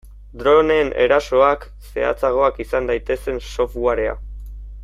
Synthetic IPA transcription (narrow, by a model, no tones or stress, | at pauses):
d̪ɾo̞ne̞ːne̞̰ɾaso̞ak | se̞a̰t͡saɣ̞o̞akisand̪ajt̪e̞se̞nso̞fɣwaɾe̞a̰